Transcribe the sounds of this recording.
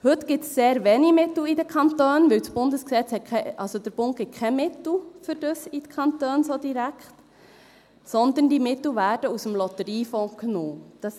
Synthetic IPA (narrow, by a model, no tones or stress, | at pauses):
hɵt̪ɡ̥ɪtsːeːɾʋɛnimɪt̪l̩idəkʰɑnt̪øːnʋɪwsb̥ʊndəsksɛt͡shɛt̚kʰɛʔɑlsod̥əɾb̥ʊnt̚ɡ̥ɪt̚kʰɛmɪt̪l̩fʏɾd̥əsitkʰɑnt̪øːnsodiɾækχt | sɔnd̪əndimɪt̪l̩ʋæːɾd̥əusəmlɔt̪əɾiːfɔ̃ːknoːd̥ɑs